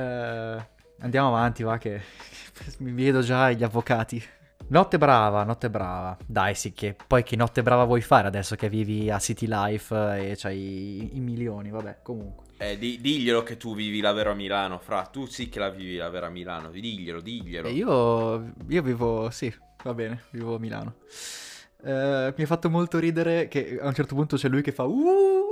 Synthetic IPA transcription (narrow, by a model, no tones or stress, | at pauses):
ɛ | and̪jaːmoavant̪ivak̟e | mivjɛːd̪od͡ʒaʎːavːokaːt̪i | nɔt̪ːebɾaːvanɔt̪ːebɾaːvad̪ajsik̟ːepɔjk̟enːɔt̪ːebɾaːvavwɔjfaːɾead̪ɛsːok̟evːiːviasːit̪ilajfet͡ʃɛjiːmiljoːnivabɛ̰komuŋkweɛd̪id̪iʎːeloket̪ːuviːvilaveːɾoamːilaːnofɾat̪usik̟ːelaviːvilaveːɾoamːila̰ːno̰d̪iʎːelod̪iʎːeloiːo | iːoviːvosi | vabɛːneviːvoamila̰ːno | miɛfːat̪ːomolt̪oɾiːd̪eɾek̟eaunt͡ʃɛrt̪opunt̪ot͡ʃɛlːujkefːau